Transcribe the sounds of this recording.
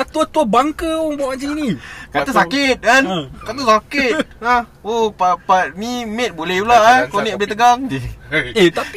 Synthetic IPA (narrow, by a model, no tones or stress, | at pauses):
at̪uat̪uabaŋkəomɔad͡ʒəinikat̪asakɪt̪̚kankat̪̬osakɪt̪̚aopapat̪̚nimet̪̚bolɛulaʔakoniʔabet̪əɡaŋdiet̪a